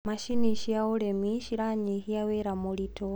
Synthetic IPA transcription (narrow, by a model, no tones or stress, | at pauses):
maʃiniʃiauɺemiʃiɾaɲihijawɛɾamulitʰɔ